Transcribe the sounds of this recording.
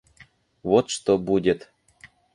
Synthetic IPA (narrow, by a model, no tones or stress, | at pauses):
vot̪ʂt̪obudʲet̪